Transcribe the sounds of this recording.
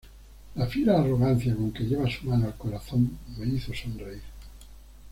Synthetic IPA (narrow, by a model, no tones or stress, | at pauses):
lafiɾaːro̞ɣ̞an̟θjako̞ŋke̞ʎeβasumanoalko̞ɾaθõ̞ŋmeiθosonreiɾ